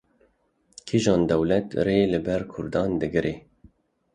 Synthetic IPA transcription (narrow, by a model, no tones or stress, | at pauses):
kʰiʒɑːnd̪ɛwlɛt̪ɾeːlɨbɛɾkʰʊɾd̪ɑːnd̪ɨɡɨɾʔeː